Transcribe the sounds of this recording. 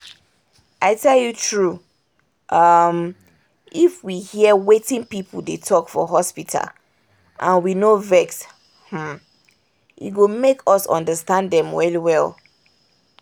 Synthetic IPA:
ʔaɪtʰɛljutʰɹu | ʔʌm | ifwihiəwetɪ̃ŋpipʰl̩detʰɔkfɔ̰ɦɔspitʰa̰l | ʔãnwinovɛks | h̩ | jḭɡomekʰɔsɔ̰̃ndəstãndɛ̃mwɛliwɛlˠ

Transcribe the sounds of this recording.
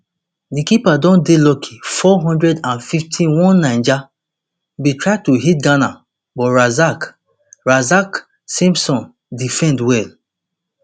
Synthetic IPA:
dikipadɔ̃ndelɔkʰi̥fɔɦɔ̃ndɹɛdãnfiftʰĩwɔ̃nːãɪ̃nd͡ʒa | bitɹaɪtuɦit̚ɡana | bɔtɹazak | ɹazak | sĩmpsɔ̃n | difɛ̃ndwɛl

